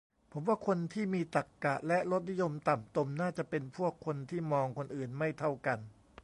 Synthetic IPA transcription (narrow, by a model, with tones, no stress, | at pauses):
pʰo˩˦mwaː˥˩kʰo˧nt̪ʰiː˥˩miː˧t̪a˨˩kːa˨˩ʔlɛ˦˥ɾo˦˥t̪̚ni˦˥jo˧mt̪a˨˩mt̪o˧mnaː˥˩t͡ɕa˨˩ʔpe˧npʰu˥˩əkʰːo˧nt̪ʰiː˥˩mɔː˧ŋkʰo˧nʔɯː˨˩nma˥˩jt̪ʰa˥˩wka˧n